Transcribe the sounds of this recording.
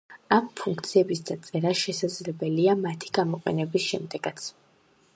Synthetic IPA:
ampʰuŋkt̪sʰiɛbisd̪at̪sʼɛɾaʃɛsad̪zlɛbɛliamat̪ʰi̥ɡ̥amɔqʼɛ̰nɛbisʃɛmd̪ɛɡat̪sʰ

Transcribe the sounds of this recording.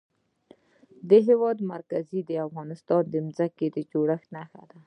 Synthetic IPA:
d̪əɦewɑd̪maɾkazid̪əafɣɑnɪst̪ɑnd̪əmzaked̪əd͡ʒoɽəxnaxa̰d̪a

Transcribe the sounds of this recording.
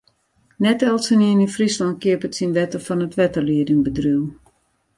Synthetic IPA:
nɛtɛlˠsəniənifrislɔnt̚kiəpətsinʋɛtəfɔnətʋɛtəliədəŋbədryw

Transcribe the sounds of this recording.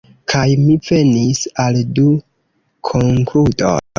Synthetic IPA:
kʰajmive̞nisaldu | kʰoŋkluto̰n

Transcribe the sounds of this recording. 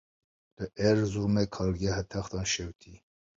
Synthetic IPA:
d̪̥əʔɛɾzuɾmɛkʰɑːlɡɛɦɛt̪ʰɛxt̪ɑnʃɛwt̪ʰi

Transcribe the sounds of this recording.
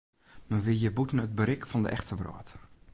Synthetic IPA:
nɔʋɪjəbutn̩ət̚bəɾɪkfɔndə̰ʔɛxtʰəʋrɔ̰ːt

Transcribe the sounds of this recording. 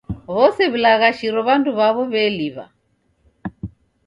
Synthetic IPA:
βɔsɛβulaɣaʃiɾɔβanduβaβɔβɛːliβa̰

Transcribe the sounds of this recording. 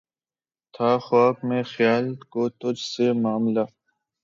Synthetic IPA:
t̪ʰaːxaːkmẽːxjaːlkot̪ʊd͡ʒsemaːmla

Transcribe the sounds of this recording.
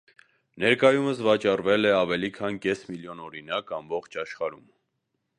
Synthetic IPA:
nɛɾkɑjuməsvɑt͡ʃɑrvɛlɛɑvɛlikʰɑnkɛsmiljɔnɔɾinɑkɑmbɔχt͡ʃʰɑʃχɑɾṵm

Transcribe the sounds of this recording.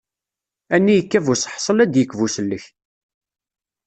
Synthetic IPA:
ænːijəkːævusħsˤəlæd̪jəkːvusəlːəç

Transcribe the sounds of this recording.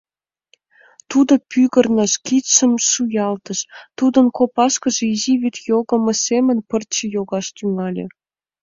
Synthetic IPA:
t̪ud̪opyɣə̆rnəʃkit̪ʃəmʃujɑlt̪əʃt̪ud̪ənkopɑʃkə̆ʒeiziβit̪joɣə̆mə̆semənpərt͡ɕəjoɣɑʃt̪yŋɑlʲḛ

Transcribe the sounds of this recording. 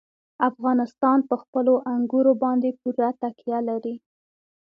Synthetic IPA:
afɣɑnɪst̪ɑnpəxpəloʔaŋɡuɾobɑnd̪epuɾat̪akijalaɾi

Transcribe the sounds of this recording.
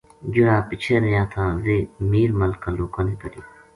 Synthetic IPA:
d͡ʒʊɽaːpɪt͡ʃʰeːɾəjãːt̪ʰãːʋeːmiːɾməlkaloːkãːneːkəɾjoː

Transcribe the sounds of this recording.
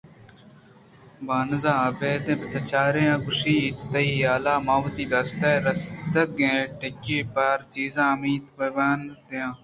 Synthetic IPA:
baːnzãːɐbeːd̪ẽːbɐt̪ʰɐt͡ʃaːɾejãːkʊʃiːit̪t̪ɐiːaːlaːmaːʋt̪iːd̪ɐst̪eːɾɐst̪ɐɡẽːʈekiːpɐɾt͡ʃiːzãːmiːt̪pɐʋaːnɾjãː

